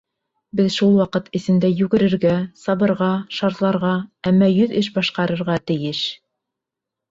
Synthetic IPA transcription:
bɘðʃulˠwɑqɤt̪ʰɘ̆sɘ̆nd̪æjʉɡɘ̆ɾɘ̆ɾɡæsɑβɤ̆ɾʁɑʃɑɾt̪lˠɑɾʁɑæmːɑjɵðɘʃbɑʃqɑɾɤ̆ɾʁɑt̪ɘ̆jɘʃ

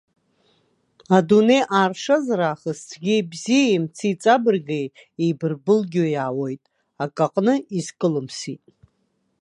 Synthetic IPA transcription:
adune̞jʔaːrʂazaɾaːχəst͡sʰɡʲibzijaimt͡sʰit͡sʼabɨrɡej | ejbɨrbɨlɡʲojaːwojtʼ | akʼaqʼnɨizkʼɨlɨmsitʼ

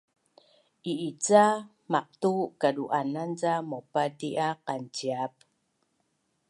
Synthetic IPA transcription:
ʔiit͡sa | maq̚tukaduʔanant͡samopadiʔaqant͡ɕiap̚

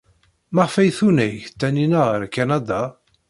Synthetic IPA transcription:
maʁfæjθunæçt̪ːæninaʁəɾkanad̪a

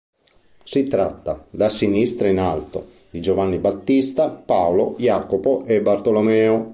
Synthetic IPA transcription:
sit̪ɾat̪ːad̪asinist̪ɾainalt̪o | d̪id͡ʒovanːibat̪ːist̪apaolojaːkopoʔebːart̪olomɛːo

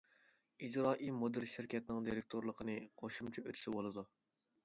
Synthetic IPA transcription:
id͡ʒɾɑːʔimod̪ɨɾʃɪɾkʲʰɛt̪nɪŋd̪iɾɪk̚ʲt̪ʰoɾlˠəqʰənɨqʰoʃumt͡ʃʰɛøt̪ʰy̥sɪbolˠɨd̪u

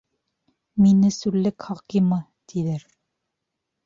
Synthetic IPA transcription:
minɘsʉɾlːɘkχɑqimɤ | t̪ʰiðɘɾ

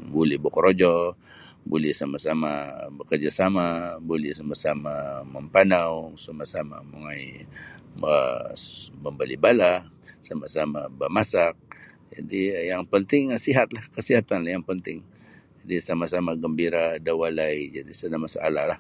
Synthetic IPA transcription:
bulɛhbokɔɾod͡ʒɔ | bulɛhsamasamabəkərd͡ʒasamabulɛhsamasamaməmpanawsamasama̰muŋaj | ə̰ | məmbalibala | samasamabəmasak̚ | d͡ʒa̰dijaŋpənt̪ɪŋsiɦat̪lahkəsiɦat̪anlahjaŋpənt̪ɪŋ | d͡ʒadisamasamaɡəmbiɾadawalajd͡ʒadisənahmasa̰lalah

